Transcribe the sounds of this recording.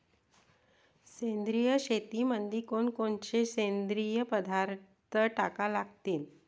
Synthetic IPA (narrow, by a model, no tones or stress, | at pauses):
send̪ɾijəɕet̪iːmənd̪iːkoɳkoɳt͡ɕesend̪ɾijəpəd̪ʱaɾt̪əʈakalaɡt̪iːl